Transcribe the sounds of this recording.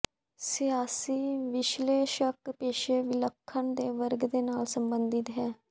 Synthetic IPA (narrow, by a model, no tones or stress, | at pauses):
sɪjaːsiːʋɪʃleːʃəkpeːʃeːʋɪləkʰːəɳd̪eːʋəɾɡd̪eːnaːlsəmbənd̪ɪt̪ɦɛː